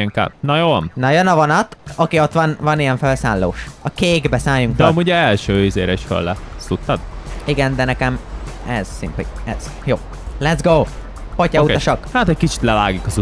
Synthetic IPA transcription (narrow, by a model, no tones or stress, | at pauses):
ɛŋka̰ːnɒjoːnɒjønɒvɒnɒt̪ɒkiot̪ːʋɒnvɒnijɛɱfølsaːlːoːʃɒkeːɡbɛsaːjuŋkd̪ɛɒmuɟɛlʃøːizeːɾɛiʃfø̰lːɛsut̪ːɒd̪iɡɛnd̪ɛnɛkɛm | ɛz̥sḭmpḛɛz̥ | joː | lɛt̪zɡoː | pocɒuɒʃɒkhat̪ɛckit͡ʃi̥t̪lɛvaːɡikɒzu